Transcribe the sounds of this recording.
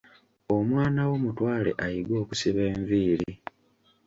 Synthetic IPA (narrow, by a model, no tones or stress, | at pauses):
omwaːnawo̞mutwaːle̞̰ʔajiɡwo̞ːkusiβe̞ːɱviːɾi